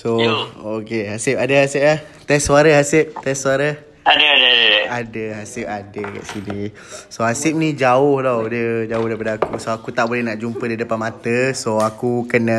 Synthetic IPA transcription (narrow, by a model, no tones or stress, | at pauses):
sookeɦasɪpadəɦasɪp̚lah | t̪ɛssuaɾəɦasɪp̚t̪ɛssuaɾə | adəadəadəadəɦasɪp̚adəka̰ʔsini | soɦasɪp̚nid͡ʒaʊhdɔdəd͡ʒaʊhdaipadəakusoakut̪aʔbolɛhnaʔd͡ʒumpədidəpanmat̪əsoakukənə